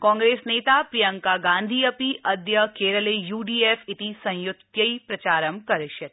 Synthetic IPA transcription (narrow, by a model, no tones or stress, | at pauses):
kɔ̃ːŋɡɾeːsneːt̪aːpɾijɐŋkaɡãːnd̪ʱiːɐpiʔɐd̪jɐkeːɾɐleːjuːɖiːeːfɪt̪isɐ̃j̃jʊt̪jɐipɾɐt͡ʃaːɾɐmkɐɾɪʃjɐt̪